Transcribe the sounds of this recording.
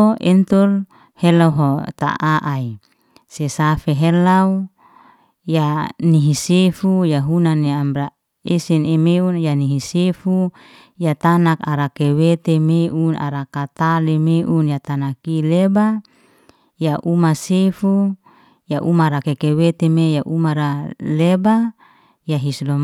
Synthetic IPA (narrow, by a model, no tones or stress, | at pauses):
ent̪ul | helawɦot̪a̰ʔaʔai | sesafeɦelaw | janiɦisefujaɦunaneamɾa | esinemeunjaniɦisefu | jat̪anakaɾakewet̪emeʔuna̰ɾakat̪alemeʔunjat̪anakileba | jaʔumasefu | jaʔumaɾakekewet̪emejaʔumaɾaleba | jaɦislom